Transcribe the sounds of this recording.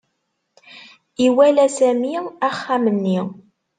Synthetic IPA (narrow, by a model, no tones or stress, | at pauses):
iwælæsæmiæχːæmənːi